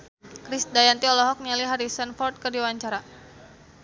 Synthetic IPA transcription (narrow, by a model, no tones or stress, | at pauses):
kɾisdajant̪iɔlɔɦɔk̚nialiɦaɾisanfɔrt̪̚kɨrdiwaɲt͡ʃaɾa